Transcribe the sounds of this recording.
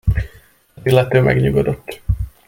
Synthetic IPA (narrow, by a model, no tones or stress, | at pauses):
zilːɛt̪øːmʔɛ̰ɡɲuɡod̪o̞t̪ː